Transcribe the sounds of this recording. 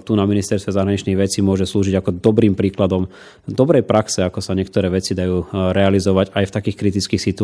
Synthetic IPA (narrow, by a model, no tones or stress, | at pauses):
t̪unaminist̪ɛɾst̪ʋɛzaɦɾaɲit͡ʃniɣʋɛt͡simʊɔʒɛsluːʒiɟakɔd̪ɔbɾiːmpɾiːklad̪ɔm | d̪ɔbɾɛjpɾaksɛakɔsaɲɪɛk̚t̪ɔɾɛːʋɛt͡sid̪ajuːɾɛalizɔʋaɟajft̪akiːxkɾit̪it͡skiːxsit̪u